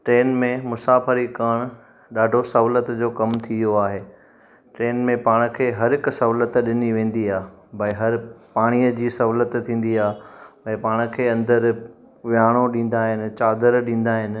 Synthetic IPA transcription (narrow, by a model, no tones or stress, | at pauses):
ʈɾeːnmẽmʊsaːfəɾikaɽ̃ | ɗaːɖʱosɐɦʊlət̪d͡ʑoːkɐmt̪ʰijoaːɦeː | ʈɾeːnmẽpaːɽ̃ʊ̆kʰeːɦɐɾɦɪkʊsɐɦʊlət̪ɗɪniʋẽːn̆d̪iaːɦbɐiɦɐɾpaːɽ̃iːəd͡ʑiːsɐɦʊːlət̪t̪ʰːĩːn̆d̪iaːɦɛ̃ːpaːɽ̃ʊ̆kʰeːɐ̃nd̪əɾ | ʋjaːɽ̃oɗĩːn̆d̪aːɦɪnɪ̆t͡ɕaːd̪əɾɗĩːn̆d̪aːɦɪnɪ̆